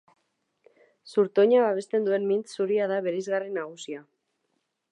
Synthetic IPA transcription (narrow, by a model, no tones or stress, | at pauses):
suɾt̪o̞ɲaβaβ̞e̞st̪e̞nd̪ue̞nmint͡ssuɾiaðaβe̞ɾajzɣarenːaɣ̞usia